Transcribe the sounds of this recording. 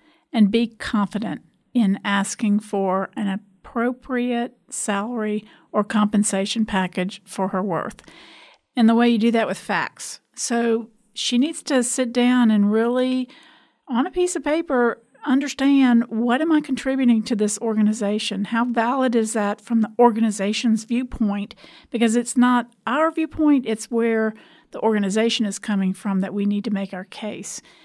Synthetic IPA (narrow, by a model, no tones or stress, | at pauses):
ɨ̃nbikʰɑ̃ɱfɨɾɨ̰̃nt | ɪ̃næskɪ̃ŋfə˞ʔɨ̃nɨpʰɹ̥oʊpʰɹiɨt̚sælˠə˞i | ə˞kʰɑ̃mpɨ̃n̩seɪʃɨ̃n̩pʰækɨd̥ʒ̥fə˞ə˞wɜ̰˞θ | ɨ̃nðəweɪjɨdɨðɨʔ̚wɨð̥fæ̰ks | soʊ | ʃinidz̥tʰɨsɪt̚d̥ãʊ̃nɨ̃nɹɪlˠi | ə̃nɨpisʌv̥pʰeɪpə˞ | ʌ̃ndə˞stæ̃ndwʌɾɨ̃maɪkʰn̩tʰɹ̥ɪbjʉɾɪ̃ŋtʰɨðɪsɔɹɡɨnɨzeɪʃɨ̃nhaʊvælˠəɾɨzðətfɹʌ̃mðiɔɹɡɨnɨzeɪʃɨ̃nzvjʉpʰɔ̃ɪ̃nʔb̥ɨkʌzɨtsnəɾ | aʊə˞vjʉpʰɔ̃ɪ̃ntɨtswə˞ | ðiʔɔɹɡɨnɨzeɪʃɨ̃nɨz̥kʰʌmɪ̃ŋfɹʌ̃mðɨʔ̚winid̚tʰɨmeɪkaʊə˞kʰeɪs